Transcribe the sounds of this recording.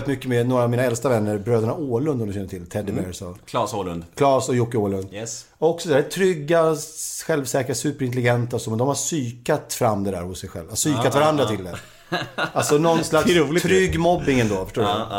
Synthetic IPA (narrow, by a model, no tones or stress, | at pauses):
t̪mʏkːəmɛnoːɾaːvmiːnaɛlst̪avɛnːəɾbɾøːd̪əɳaoːlɵnd̪ɔmd̪ɔmɕɛnːəʈʰɪlt̪ʰɛd̪ɪbɛsɔ | nd̪kʰlɑːsɔjʊkːɪoːlɵnd̪ | ɔksɔd̪ɛd̪ææt̪ʰɾʏɡːaɧɛlvsɛːkəɾasʉ̟ːpəɾɪnt̪̬ɛlɪɡɛnt̪aɔsɔmɛnd̪ɔmhasyːkat̪fɾamːd̪ɛd̪æ̰ːɾhʊsːɛjɧɛ̰lvasyːkat̪vaɾand̪ɾat̪ʰɪld̪ɛ̰ɾ | alsɔnɔnːslaksʰɾʏɡmɔbːɪŋɛnd̪oːfœ̥ʂʈoːɖ